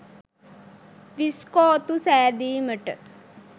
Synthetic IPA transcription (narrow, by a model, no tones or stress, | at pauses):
ʋiskɔːt̪usɛːɾd̪iːməʈə̰